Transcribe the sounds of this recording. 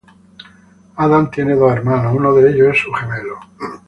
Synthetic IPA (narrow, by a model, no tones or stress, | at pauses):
aðant̪je̞ne̞ðoeɾmanounoðeeʎosesuχemelo